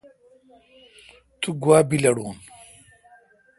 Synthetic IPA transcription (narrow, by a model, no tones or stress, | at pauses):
t̪uɡwaːbilɐɽuːn